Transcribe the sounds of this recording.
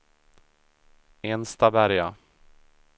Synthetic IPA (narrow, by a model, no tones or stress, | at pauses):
enst̪ɑbæɾja